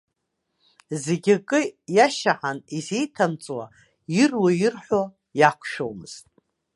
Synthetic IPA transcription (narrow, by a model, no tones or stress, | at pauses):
zeɡʲakʼɨjaʃaħanizejtʰamt͡sʼwa | irwajɪrħʷo | jakʷʰʃᶣo̰wmɨz̥tʼ